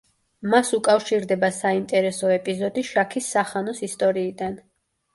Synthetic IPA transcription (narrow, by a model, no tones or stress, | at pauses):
masukʼafʃiɾd̪ɛbasaint̪ʼɛɾɛsɔɛpʼizɔd̪iʃakʰisːaχanɔsist̪ʼɔɾiːd̪an